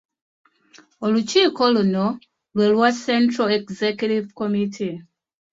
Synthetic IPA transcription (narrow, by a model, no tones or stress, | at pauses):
olut͡ʃiːkoluno | lwelwasẽntɾalekzekjutivkomitʰi